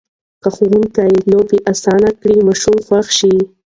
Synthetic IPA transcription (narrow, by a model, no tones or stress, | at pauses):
kaxowunkajlobiʔasɑnakɽimɑʃumxwaxʃi